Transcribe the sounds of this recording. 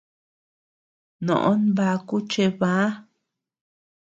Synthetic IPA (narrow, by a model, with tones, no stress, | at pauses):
nõ̰˨ʔõ˦nβa˧ku˦t͡ʃe˧βã˦